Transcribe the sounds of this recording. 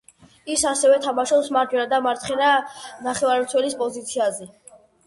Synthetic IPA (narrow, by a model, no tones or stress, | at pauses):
isasɛvɛt̪ʰamaʃɔpsmaɾd͡ʒ̪wɛnad̪amaɾt̪ʰχɛnanaχɛvaɾɛmt̪sʰwɛlispʼɔzit̪sʰiazɛ